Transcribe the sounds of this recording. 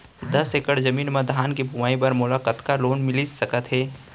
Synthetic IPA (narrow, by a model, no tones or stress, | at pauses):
d̪ɐsekəɽd͡ʒɐmiːnmad̪ʱaːnkibʱumaːibəɾmʊlaːkət̪kaloːnmɪlisɐkət̪ɦɛː